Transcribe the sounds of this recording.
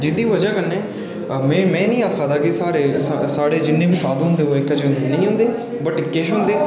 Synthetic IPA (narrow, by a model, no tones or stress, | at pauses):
d͡ʒɪd̪iːʋəd͡ʒãːkənːẽː | mɛ̃ːmɛ̃ːnĩːaːkʰaːt̪aːkɪsaːɾeːssaːɽeːd͡ʒɪnːẽːbiːsaːd̪ɦʊ̃nd̪eːoːɪkːəd͡ʒnəĩːɦʊ̃ːnd̪eː | bəʈkɪʃɦʊ̃ːnd̪eː